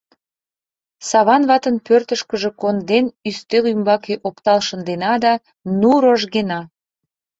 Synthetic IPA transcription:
sɑβɑnβɑt̪ənpørt̪əʃkəʒe̽kond̪enyst̪elymbɑkeʔopt̪ɑlʃənd̪enɑd̪ɑ | nuɾoʒɣenɑ

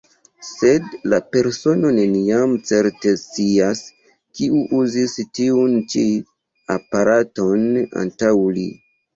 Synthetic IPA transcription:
se̞dlape̞ɾso̞no̞neniamt͡se̞ɾte̞t͡sias | kiuʔuzistiunt͡ʃi | a̰paɾato̞na̰ntawlḭ

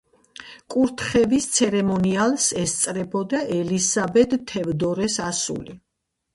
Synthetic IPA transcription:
kʼuɾt̪ʰχɛvist̪sʰɛɾɛmɔnialˠsɛst̪sʼɾɛbɔd̪aʔɛlisabɛd̪t̪ʰɛvd̪ɔɾɛsasṵli

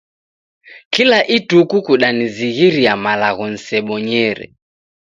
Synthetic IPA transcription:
kilaʔitukukuɗaniziɣiɾiamalaɣɔn̩sɛɓɔɲɛɾɛ̰

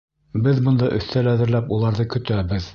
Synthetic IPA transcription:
bɘðbɤ̆nd̪ɑʔɵ̆θt̪ælæðɘ̆ɾlæpulˠɑɾðɤkɵ̆t̪æbɘð

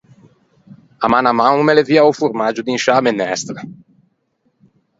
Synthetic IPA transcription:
amanamawumeleviawfuɾmad͡ʒud̪inʃamenɛst̪ɾa

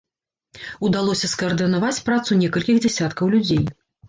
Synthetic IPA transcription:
ud̪alˠɔsʲɐskɐɐrd̪ɨnavat͡sʲpɾat̪sunʲɛkɐlʲkʲixd͡zʲɛsʲat̪kɐwlʲud͡zʲej

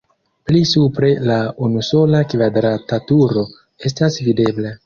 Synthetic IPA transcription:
plisupɾe̞launuso̞lakvadɾatatuɾo̞ | e̞s̬tasvide̞bla

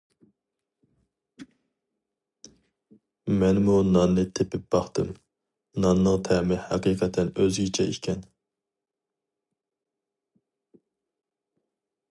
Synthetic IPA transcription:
mɛnmunɑnːɨt̪ʰepɪp̚b̥ɑχt̪ʰɨm | nɑnːəŋt̪ʰɛmɪhɑqiːqʰɛt̪ʰɛnøzɡʲit͡ʃʰɛʔḭkʲʰɛn

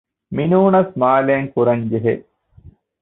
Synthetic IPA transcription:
minuːɳɐsmaːlejɐŋkuɾɐɲd͡ʒeɦe

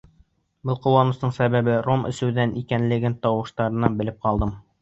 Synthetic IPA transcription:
bɤlˠqŭwɑnɤ̆snɤɴsæbæbɘɾomɘ̰̆sɘ̆wðænʔikænlɘ̆ɡɘnt̪ɒwɤ̆ʃt̪ɑɾɤ̆nɑbɘ̆lɘp̚qɒlˠd̪ɤm

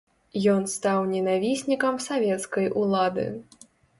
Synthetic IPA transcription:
jɔnst̪awnʲɛnavʲisʲnʲikɐmsavʲɛt̪skɐjʔulˠad̪ɨ̰

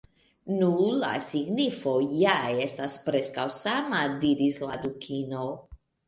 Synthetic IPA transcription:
nula̰siɡnifo̞jae̞staspɾe̞skawsamadiɾisla̰dukʰino

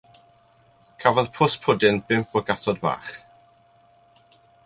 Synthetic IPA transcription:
kʰavɔðpʰʊspʰʊdɪnb̥ɪmpʰɔɡaθɔdma̰ːχ

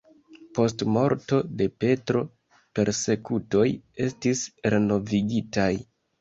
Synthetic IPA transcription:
po̞stmo̞ɾto̞de̞pe̞tɾo̞ | pe̞ɾse̞kuto̞je̞stisɾe̞no̞viɡitaj

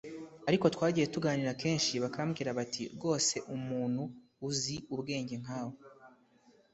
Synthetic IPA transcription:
aɾiko̞twaːɟije̞tuɡaːniɾake̞ːnʃiβakaamɡiːɾaβatʰḭɡo̞ːse̞ʔumuːn̥huː | ziuβɡe̞ːɲɟe̞ŋ̥aːho

